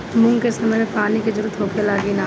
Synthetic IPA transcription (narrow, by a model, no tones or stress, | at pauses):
mʊ̃ŋɡkesɐməpaːniked͡ʒʊɾut̪ʰoːkʰelaːɡinaː